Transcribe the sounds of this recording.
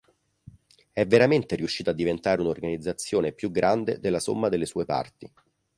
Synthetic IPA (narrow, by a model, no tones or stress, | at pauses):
ɛvːeɾament̪eɾiuʃːiːt̪ad̪ːivent̪aːɾeunorɡanid̪zːat̪sːjoːnepjuɡːɾʔand̪ed̪elːaso̰mːad̪elːesuːepa̰rt̪i